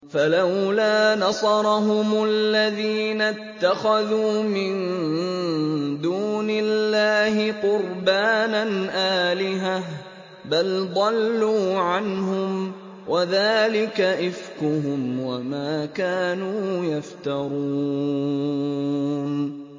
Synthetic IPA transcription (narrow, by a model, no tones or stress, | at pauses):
falawlaːnɑsˤɑɾˤɑɦʊmʊlːaðiːnat̪ːaxaðuːmɪn | d̪uːnɪlːaːhɪqʊɾbaːnanʔaːlɪɦah | bald̪ˤɑlːuːʕanɦʊm | wʔaðaːlɪkaʔɪfkʊɦʊmwamaːkaːnuːjaft̪ɑɾˤuː | n